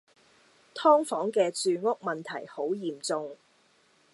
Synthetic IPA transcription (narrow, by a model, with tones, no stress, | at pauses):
t̪ʰɔː˥ŋfɔː˨˥ŋkɛː˧t͡syː˧ŋʊ˥k̚mɐ˨nt̪ʰɐ˨˩jho˨˥wjiː˨˩mt͡sʊ˧ŋ